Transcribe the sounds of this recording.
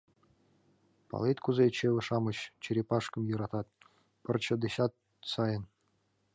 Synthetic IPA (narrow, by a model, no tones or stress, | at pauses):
pɑ̰lˠet̪ʲkuzet͡ɕeʋʲɘ̆ʂɑmɤ̆ɕt͡ɕɘɾʲepɑʂkɤ̆mjɤ̆ɾɑt̪ɑt̪̚ | pɤ̆rt͡ɕɤ̆d̪eɕɑt̪̚ | sɑjɤ̆n